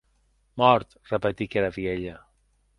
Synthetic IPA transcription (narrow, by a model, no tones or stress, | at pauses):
mɔɾt̪rəpət̪ikeɾaβieʎə